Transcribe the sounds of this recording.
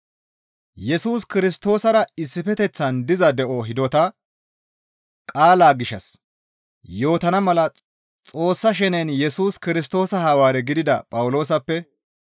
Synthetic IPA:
jɛsuːskɪɾɪs̬t̪o̞ːsɐɾɐɪsːɪfɛt̪ɛt͡sːɐnd̪ɪzɐd̪ɛʔɔɦɪd̪ɔt̪ɐ | kʼaːlaːɡɪʃːɐ̰s | jo̞ːt̪ɐnɐmɐlɐ | t͡sʼo̞ːsːɐʃɛnɛnjɛsuːskɪɾɪs̬t̪o̞ːsɐhɐwaːɾɛɡɪd̪ɪd̪ɐpʼɐwʊlo̞ːsɐpːɛ

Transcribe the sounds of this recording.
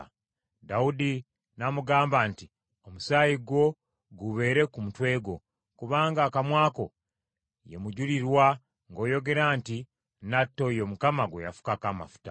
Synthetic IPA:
daudi | namuɡaːmbaːnti | o̞musaːjiɡwo̞ | ɡuβe̞ːɾe̞kumutwe̞ːɡo̞ | kuβaːŋɡaːkamwaːko̞ | je̞̰muɟuliɾwa | ŋɡo̞ːjo̞ɡe̞ɾanti | natːo̞jo̞mukamaɡwḛja̰fu̥kakama̰fu̥ta̰

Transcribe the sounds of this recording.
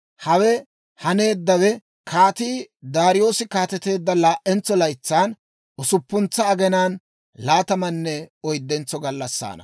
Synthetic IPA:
hɐwɛ | hɐne̞ːd̪ːɐwɛ | kʰaːt̪iːd̪aːɾɪjo̞ːsɪkaːt̪ɛt̪e̞ːd̪ːɐlaːʔɛnt͡sːɔlɐjt͡sːaːn | ʊsʊpːʊnt͡sːɐːɡɛnaːn | laːt̪ɐmɐnːɛɔjd̪ːɛnt͡sːɔɡɐlːɐsːa̰ːnɐ̰

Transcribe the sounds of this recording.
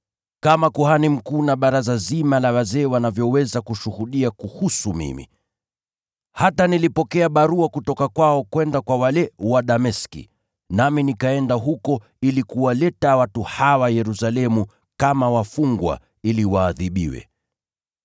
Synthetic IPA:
kamakuɦanim̩kuːnaɓaɾazazimalawazɛːwanavjɔwɛzakuʃuhuɗiakuhusumḭmḭ | hatanilipɔkɛaɓaɾuakutɔkakwaɔkwɛndakwawalɛwaɗamɛskḭ | naminikaɛndaɦukɔ | ilikuwalɛtawatuhawajɛɾusalɛmu | kamawafuŋɡwa̰ | iliwaːðiɓḭwɛ̰

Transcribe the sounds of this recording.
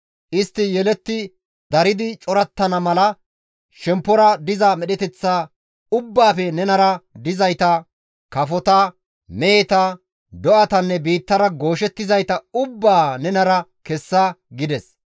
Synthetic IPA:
ʔɪst̪ːɪjɛlɛt̪ːɪ | d̪ɐɾɪd̪ɪt͡ʃʼɔɾɐt̪ːɐnɐmɐlɐ | ʃɛmpːɔɾɐd̪ɪzɐmɛɗɛt̪ɛt͡sːaː | ʊbːaːfɛnɛnɐɾɐd̪ɪzɐjt̪ɐ | kɐfɔt̪ɐ | mɛːt̪ɐ | d̪ɔʔɐt̪ɐnːɛbiːt̪ːɐɾɐɡo̞ːʃɛt̪ːɪzɐjt̪ɐʊbːaːnɛnɐɾɐkɛsːaɡɪd̪ɛs

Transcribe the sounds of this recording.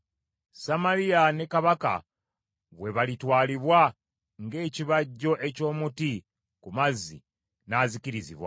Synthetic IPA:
samaɾiane̞kaβaka̰ | βwe̞βalitwaːliβwa | ŋɡe̞ːciβaɟːo̞ʔe̞co̞ːmuti | kumazːḭ | naːziciɾizḭβwa̰

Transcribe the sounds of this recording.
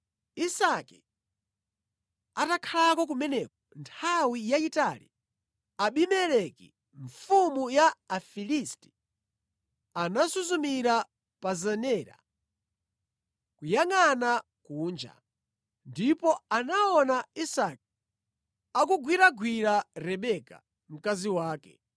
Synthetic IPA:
isakɛ | atakʰalakɔk̬umɛnɛkɔntʰawijaitalḭ | aɓimɛɾɛkḭ | ɱfumujaːfilisti̥ | anasuzumiɾa | pazanɛːɾa̰ | kujaŋana | kuːnd͡ʒa̰ | ndipɔanaɔnaisaki | akuɡwiɾaɡwiɾaɾɛɓɛka̰ | m̩kaziwaːkɛ̰

